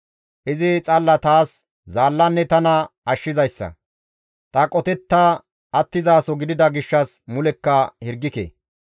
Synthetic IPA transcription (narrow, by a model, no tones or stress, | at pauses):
ʔɪzɪt͡sʼɐlːɐt̪aːs | zaːlːɐnːɛt̪ɐnɐɐʃːɪzɐjsːɐ̰ | t̪ʼɐkʼɔt̪ɛt̪ːa | ɐt̪ːɪzaːsɔɡɪd̪ɪd̪ɐɡɪʃːɐsmʊlɛkːɐhɪɾɡːɪkḛː